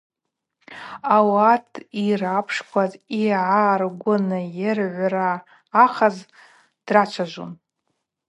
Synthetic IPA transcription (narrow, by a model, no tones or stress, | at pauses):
awatʰirapʰʂkʷʰaziʕarɡʷʊnɨjɪrʕʷaraː | χaz | d̥rat͡ʃʷʰaʒʷo̰n